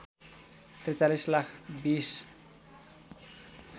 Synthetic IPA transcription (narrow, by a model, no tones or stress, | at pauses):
t̪rit͡salislakʰbis